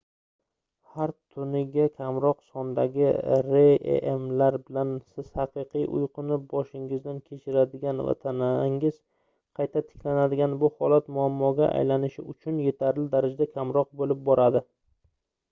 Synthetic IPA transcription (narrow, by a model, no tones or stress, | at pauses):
haɾt̪ʰʊnɪɡʲakʲʰamɾɒqsɒnd̪aɡʲɪ̰ɾeḛʔḛmlaɾbɪlansɪz̥hɑqʰɨqʰɨjʔʊ̰jqɨnɪp̚bɒʃɪŋɪzd̪ankʲʰe̞t͡ʃʰɪɾad̪ɪɡʲanva̰t̪ʰanaŋɪz̥ | qʰɑjt̪ʰat̪ʰɪ̥kʲʰlanad̪ɪɡʲanbʊhɒlat̪mʊamːɒɡʲaʔa̰jlanɪʃɪ̰ʊt͡ʃʰʊnje̞t̪ʰaɾlɪd̪aɾɪd͡ʒd̪akʲʰamɾɒq̚bolɪp̚bɒɾad̪ɪ